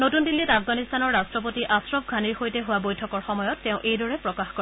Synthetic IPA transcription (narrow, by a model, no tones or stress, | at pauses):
notundilːitapʰɡanist̪anɔɹːastɹɔp̬otiʔasɹɔbɡʱaniɹxojtɛɦʊwabojtʰɔkɔɹxɔmɔjɔtːẽʊ̃ʔejdɔɹɛpɹɔkaxkɔ